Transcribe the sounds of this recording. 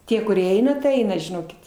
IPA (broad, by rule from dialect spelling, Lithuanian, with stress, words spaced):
ˈtʲiɛ kʊˈrʲiɛ ˈɛɪnɐ tɐɪ ˈɛɪnɐ ʒʲɪˈnoːkʲɪt